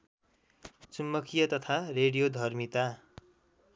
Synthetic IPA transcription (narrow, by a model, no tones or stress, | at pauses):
t͡sumːʌkʰijʌt̪ʌt̪ʰareɽijod̪ʱʌrmit̪a